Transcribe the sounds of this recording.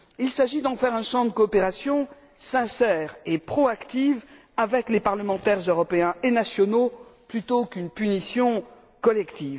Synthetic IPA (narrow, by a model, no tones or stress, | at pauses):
ilsaʒid̪ɑ̃fɛʁɛ̃ʃɑ̃d̪əkɔːpeʁasjɔ̃ | sɛ̃sɛːʁepχɔakt̪iv | avɛklepaʁləmɑ̃t̪ɛʁzøʁɔpeɛ̃enasjɔnoplyt̪okynpynisjɔ̃ | kɔlɛkt̪iːv